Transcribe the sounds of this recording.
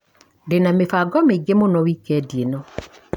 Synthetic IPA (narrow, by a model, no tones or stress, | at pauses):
denamefaɡɔmeɡemonɔwikɛdjenɔ